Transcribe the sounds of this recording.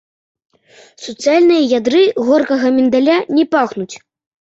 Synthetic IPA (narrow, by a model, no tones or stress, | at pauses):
sɔt̪sɨjalʲnɨjɐjad̪ɾɨɣɔrkɐɣɐmʲɛnd̪alʲanʲɛpaxnut͡sʲ